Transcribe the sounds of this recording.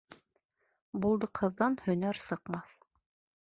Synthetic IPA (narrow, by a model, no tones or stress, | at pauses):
bulˠd̪ɤqʰɤ̆ðːɑnhɵ̆næɾsɤ̆qmɑθ